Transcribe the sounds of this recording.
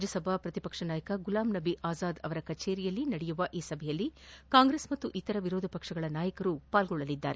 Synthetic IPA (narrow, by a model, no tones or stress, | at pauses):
d͡ʒɐsɐbʱapɾɐt̪ipɐkʂɐnaːjɐkɐɡulaːmnɐbiʔaːzaːd̪ɐʋɐɾɐkɐt͡ʃeːɾijɐlːinɐɽɛjuʋɐʔiːsɐbʱɛjɐlːikaːŋɡɾeːsmɐt̪ːuʔit̪ːɐɾɐʋiɾoːd̪ʱɐpɐkʂɐɡɐɭɐnaːjɐkɐɾupaːlɡɔɭːɐlid̪ːa̰ːɾe